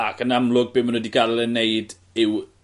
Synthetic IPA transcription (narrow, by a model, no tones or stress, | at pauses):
akʰənamlˠʊɡ̚bɪmanwɛdiɡarlˠɛnejd | ɪw